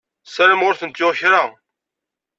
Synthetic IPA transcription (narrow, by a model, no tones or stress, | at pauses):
səɾəmʁʊɾθənt̪ːʊʁçɾa